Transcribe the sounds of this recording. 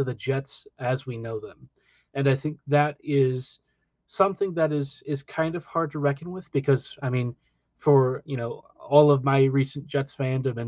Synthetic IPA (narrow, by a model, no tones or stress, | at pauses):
ɨðɨd͡ʒɛtsɨzwinoʊðə̃m | ɨ̃naɪθɪ̃ŋk̚ðɨɾɪz̥ | sʌ̃mθɪ̃ŋðɨɾɪz̥ɪz̥kʰãɪ̃ndʌv̥hɑɹd̚tʰəɹɛkɨ̃nwɪð̥b̥ɨkʰʌz̥aɪmĩn | fə˞jɨñoʊ | ɔlˠʌvmaɪɹisnd̥ʒ̥ɛtsvæ̃ndɨ̃mɨ̃n